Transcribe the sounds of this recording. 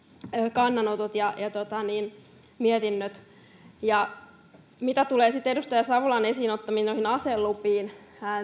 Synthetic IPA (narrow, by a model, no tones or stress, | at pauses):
øːkɑnːɑnot̪ut̪jɑjɑt̪ot̪ɑniːn | miɛt̪inːøt̪ | jɑ | mit̪æt̪uleːsit̪ːedust̪ɑjɑsɑʋulɑnesiːnot̪ːɑminoihinɑselːupiːnhæ